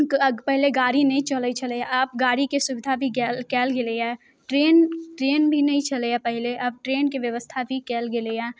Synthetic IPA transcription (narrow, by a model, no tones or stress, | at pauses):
pɛɦleɡaːɾinɐɦĩt͡ʃɐlit͡ʃɐleaɐp̚ɡaːɾikesʊbɪd̪ʱabʱiɡɛlkɛːlɡɪleɛː | ʈɾeːnʈɾeːnbʱinɐɦĩt͡ʃɐleapɛɦleʔɐb̚ʈɾeːnkiʋjɐʋəst̪ʰabʱikɛːlɡɪleaː